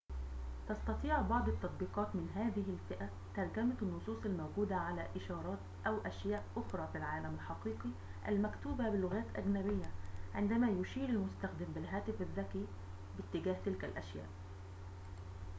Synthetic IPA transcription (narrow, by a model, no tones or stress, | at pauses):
t̪ɑst̪ɑt̪ˤiːʕbɑʕd̪ˤɑt̪ːɑt̪̚ˤbiːqɑːt̪mɪnɦæːðɪɦɪlfɪʔæ | t̪ɑɾˤɡæmanːʊsˤuːsˤalmawɡuːd̪aʕalæːʔɪʃɑːɾˤɑːt̪ʔæwʔæʃjæːʔʔʊxɾˤɑːfilʕaːlæmɪlħɑqiːqi | ʔæ̰lmækt̪uːbæbɪlːʊɣæːt̪ʔæɡnæβɪjːæʕɪnd̪æmæːjʊʃiːɾɪlmʊst̪æxd̪ɪmbɪlɦæːt̪ɪfɪðːækiː | bɪt̪ːɪɡæːht̪ɪlkælʔæʃjæ̰ːʔ